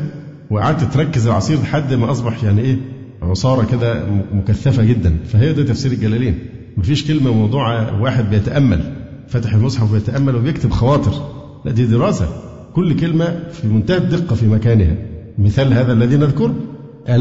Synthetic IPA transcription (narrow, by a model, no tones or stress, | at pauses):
weʔa̰ʕaːd̪̚t̪ɪt̪ɾˤɑkːezelʕɑ̰sˤiːɾleħad̪ːmæʔɑsˤbɑħjaʕniʔeːʕosˤɑːɾˤɑked̪æmokæθːæfæɡed̪ːænfæɦejːæd̪æːt̪æfsiːɾelɡælæliːn | mæfiːʃkelmæmɑwd̪ˤuːʕɑwaːħed̪̚bejæt̪æʔæmːæ̰l | fæt̪aħelmosˤħɑfbejet̪æʔæmːælwebjek̚t̪ebxɑwɑːt̪ˤɨɾ | læ̰ʔd̪iːd̪eɾɑːsæ̰ | kolːkelmæfimʊnt̪æhæd̪ːeqːɑfimækæːnehæ̰mɪθæːlhæːðælːæðiːnæðkoɾ | ʔæ